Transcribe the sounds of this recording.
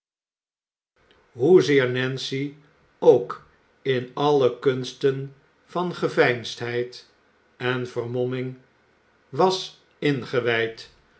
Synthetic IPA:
ɦuzɪːɹnɛnsi | owk | ɪnɑlˠəkɵnstən | v̥ɑnχəvɛjnstɦɛjt | ɛnv̥əɹmɔmɪŋ | ʋɑs | ɪnχəʋɛjt

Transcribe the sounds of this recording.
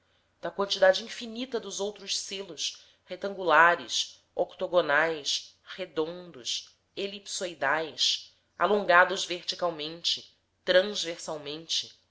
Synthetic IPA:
d̪̥ɐkwɐ̃nt͡ʃid̪ad͡ʒɪĩfinit̪ɐd̪ʊzowt̪ɾʊʃselʊs | het̪ɐ̃ŋɡulaɾɪs | okt̪oɡonajs | hed̪õnd̪ʊs | elipsojd̪ajs | a̰lõŋɡad̪ʊzveχt͡ʃikawmẽnt͡ʃɪ | t̪ɾɐ̃zveɾsawmẽnt͡ʃɪ

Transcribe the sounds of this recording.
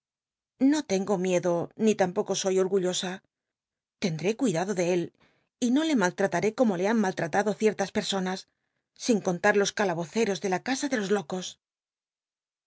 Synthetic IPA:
no̞t̪e̞ŋɡo̞mje̞ðo̞nit̪ampo̞ko̞so̞jo̞ɾɣuʎo̞sa | t̪e̞nd̪ɾe̞kwiðaðo̞ðe̞e̞l | ino̞le̞malt̪ɾat̪aɾe̞komo̞le̞aŋmalt̪ɾat̪aðo̞θje̞ɾt̪aspe̞ɾso̞nasː | iŋko̞nt̪aɾlo̞skalaβo̞θe̞ɾo̞zðe̞lakasaðe̞lo̞zlo̞ko̞s

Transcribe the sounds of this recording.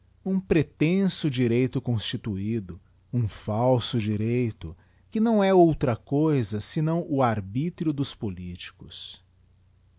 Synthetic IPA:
ũpɾet̪ẽsʊd͡ʒiɾejt̪ʊkõst͡ʃit̪uid̪ʊ | ũfawsʊd͡ʒiɾejt̪ʊ | kɪnɐ̃w̃ɛowt̪ɾɐkojzɐsɪnɐ̃w̃ʊaɾbit̪ɾiʊd̪ʊspolit͡ʃi̥kʊs

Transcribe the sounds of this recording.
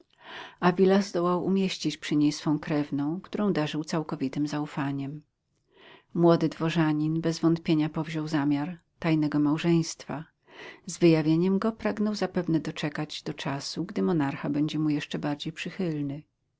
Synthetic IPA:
avʲilazd̪ɔwawʔumʲjeɕt͡ɕit͡ɕpʂɘɲejsfɔ̃w̃kɾɛvnɔ̃w̃kt̪uɾɔ̃w̃d̪aʐɘwt̪sawkɔvʲit̪ɘmzaufaɲɛm | wɔd̪ɘd̪vɔʐaɲinbɛzvɔnt̪pʲjeɲapɔvʑɔwzamʲjaɾ | t̪ajnɛɡɔmawʐɛj̃st̪fa | zvɘjavʲjeɲɛmɡɔpɾaɡnɔwzapɛvnɛd̪ɔt͡ʂɛkad͡ʑd̪ɔt͡ʂasuɡd̪ɘmɔnaɾxabɛɲd͡ʑɛmujɛʂt͡ʂɛbaɾd͡ʑejpʂɘxɘlnɘ

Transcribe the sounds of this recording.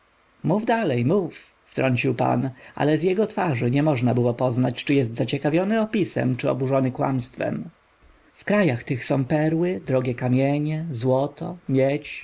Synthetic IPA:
muvd̪alɛjmuf | ft̪ɾʔɔɲt͡ɕiwpa̰nʔa̰lɛzʲjɛɡɔt̪faʐɘɲɛmɔʐnabɘwɔpɔznat͡ɕt͡ʂɘjɛst̪zat͡ɕɛkavʲjɔnɘɔpʲisɛ̰mt͡ʂɘɔ̰buʐɔnɘkwa̰mst̪fɛ̰m | fkɾajaxt̪ɘxsɔ̃w̃pɛɾwɘd̪ɾɔɡʲɛkamʲjɛɲɛzwɔt̪ɔmʲjɛt͡ɕ

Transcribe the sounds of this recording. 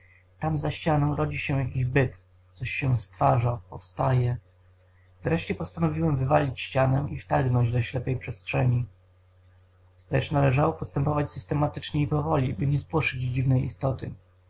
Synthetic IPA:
t̪amzaɕt͡ɕanɔ̃w̃ɾɔd͡ʑiɕɛ̃jakʲiʑbɘt̪ | t̪sɔɕːɛst̪faʐapɔfst̪ajɛ | vɾɛʂt͡ɕɛpɔst̪anɔvʲiwɛmvɘvalʲit͡ɕɕt͡ɕanɛʔift̪aɡnɔɲd͡ʑd̪ɔɕlɛpɛjpʂɛstʂɛɲi | lɛ̰t͡ʂnalɛʐawɔpɔst̪ɛmpɔvat͡ɕsɘst̪ɛmat̪ɘt͡ʂɲɛipɔvɔlʲibɘɲɛspwɔʂɘd͡ʑd͡ʑivnɛjḭst̪ɔt̪ɘ̰

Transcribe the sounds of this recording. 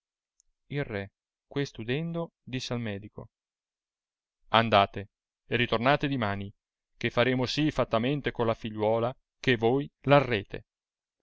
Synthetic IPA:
ilrɛ | kwest̪ud̪ɛnd̪o | d̪isːealmɛːd̪iko̰ | and̪aːt̪e | eɾit̪ornaːt̪ed̪imaːni | kefaɾeːmosifat̪ːament̪ekolːafiʎːwɔːla | kevojlarːeːt̪ʰḛ

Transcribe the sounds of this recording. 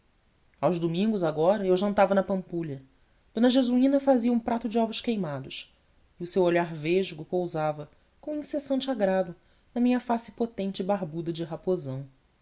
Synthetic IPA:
awʒd̪umĩŋɡʊzaɡɔɾɐewʒɐ̃nt̪avɐnɐpɐ̃mpuʎɐ | d̪õnɐʒezuĩnɐfaziɐũpɾat̪ʊd͡ʒɪɔvʊʃkejmad̪ʊʃ | ɪʊsewoʎaɾveʒɡʊpowzavɐ | kõĩsesɐ̃nt͡ʃɪaɡɾad̪ʊ | nɐmĩɲɐfasɪ̥pot̪ẽnt͡ʃɪbaɦbud̪ɐd͡ʒɪɦapozɐ̃w̃

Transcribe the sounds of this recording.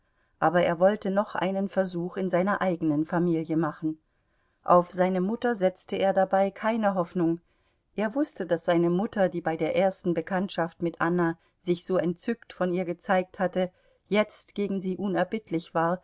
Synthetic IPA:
ʔaːbɐḛːɐvɔltənɔχʔa̰ɪnənfɛɐzuːxɪnzaɪnɐʔaɪɡənənfamiːljəmaχn̩ | ʔaʊfz̥aɪnəmʊtɐzɛt͡stəeːɐdabaɪkʰaɪnəɦɔfnʊŋ | ʔeːɐvʊstədasz̥aɪnəmʊtɐdiːbaɪdeːɐʔeːɐstn̩bəkʰantʃaftmɪtʔana | zɪçz̥oːɛntt͡sʏktfɔniːɐɡət͡saɪk̚thatə | jɛt͡stɡ̥eːɡŋ̩ziːʔʊnɛɐbɪtʰlɪçv̥aːɐ

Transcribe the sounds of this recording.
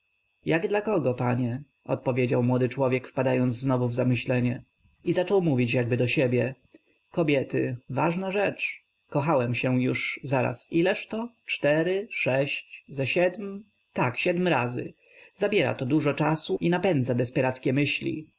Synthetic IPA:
jaɡd̪lakɔɡɔpaɲɛ | ɔ̰t̪pɔvʲjed͡ʑawmwɔd̪ɘt͡ʂwɔvʲjɛkfpad̪ajɔnd̪zznɔvuvzamɘɕlɛɲɛ | izat͡ʂɔwmuvʲit͡ɕjaɡ̚bɘd̪ɔɕɛbʲjɛ | kɔbʲjɛt̪ɘ̰vaʐnaʐɛt͡ʂ | kɔxawɛmɕɛjuʂzaɾa̰silɛʂt̪ɔt͡ʂt̪ɛɾɘʂɛɕt͡ɕzɛɕɛd̪m | t̪akɕɛd̪mɾazɘ̰ | z̥abʲjɛɾa̰t̪ɔd̪uʐɔt͡ʂasuinapɛnd̪zad̪ɛspɛɾat̪skʲɛmɘɕlʲḭ

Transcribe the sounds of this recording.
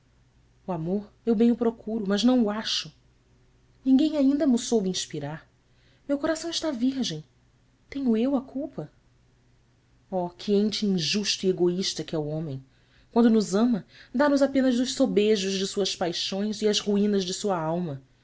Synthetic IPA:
uamoɾ | ewbẽj̃ʊpɾokʰuɾʊmɐznɐ̃w̃ʊaʃʊ | nĩɡẽj̃aĩnd̪ɐmʊsowbɪĩʃpiɾaɾ | mewkoɾasɐ̃w̃ɪʃt̪aviɾʒẽj̃ | t̪ẽɲʊewɐkʰuwpɐ | ɔkʰɪẽnt͡ʃɪĩʒuʃt̪ʊieɡoiʃt̪ɐkɪɛʊõmẽj̃ | kwɐ̃nd̪ʊnʊzɐ̃mɐd̪anʊzapẽnɐzʊʃsobeʒʊzd͡ʒɪsuɐspajʃõj̃zɪɐzhuĩnɐzd͡ʒɪsuɐawmɐ

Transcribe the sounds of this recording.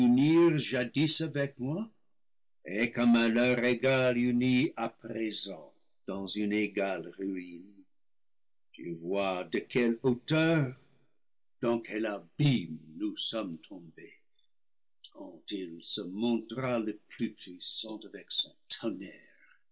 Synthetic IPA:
yniʁʒadisavɛk̚mwa | ekɔmɛ̃lœʁeɡalyniapʁezɑ̃ | d̥ɑ̃zyneɡalʁyin | ty̰vwadəkʰɛlotœʁ | d̥ɑ̃kʰɛlabimnusɔmtʰɔ̃be | kʰɑ̃tilsəmɔ̃tʁaləplypʰɥisɑ̃tavɛksɔ̃tʰɔnɛʁ

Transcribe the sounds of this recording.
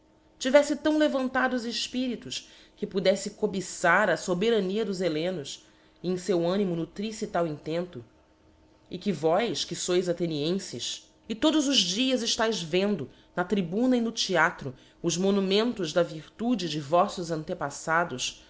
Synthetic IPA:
t͡ʃivɛsɪt̪ɐ̃w̃levɐ̃nt̪ad̪ʊːzɪʃpiɾit̪ʊʃ | kɪpud̪ɛsɪkobisaɾɐsobeɾɐniɐd̪ʊzelẽnʊs | ẽsewɐ̃nimʊnut̪ɾisit̪awĩnt̪ẽnt̪ʊ | ɪkɪvɔjskɪsojzat̪eniẽsɪʃ | ɪt̪od̪ʊzʊzd͡ʒiɐzɪʃt̪ajzvẽnd̪ʊ | nɐt̪ɾibũnɐinʊt͡ʃiat̪ɾʊ | ʊzmonumẽnt̪ʊʒd̪ɐviɾt̪ud͡ʒɪd͡ʒɪvɔsʊzɐ̃nt̪epasad̪ʊs

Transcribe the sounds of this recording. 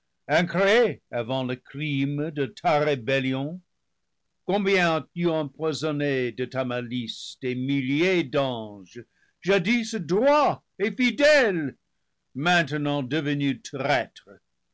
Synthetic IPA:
ɛ̃kɾeeavɑ̃ləkrimdət̪ʰaʁebɛljɔ̃ | kɔ̃bjɛ̃t̪yɑ̃pwazɔnedətamalistemiljedɑ̃ʒ | ʒadisədʁwa | efidɛl | mɛ̃tənɑ̃dəvənytʁɛtχə

